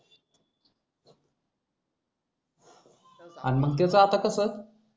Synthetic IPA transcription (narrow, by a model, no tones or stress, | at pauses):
a̰niməɡ̚t̪̬jat͡səat̪akəsə